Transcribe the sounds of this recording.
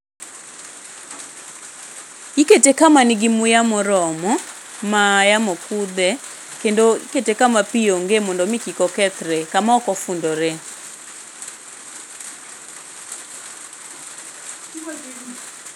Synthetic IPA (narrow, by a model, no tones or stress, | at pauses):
iketekamaniɡimujamɔɾɔmɔ | majamɔkud̪ɛ | kendoḭketekamapijoŋɡemɔndɔmikikɔkɛt̪ɾɛkamaɔkɔfundɔɾe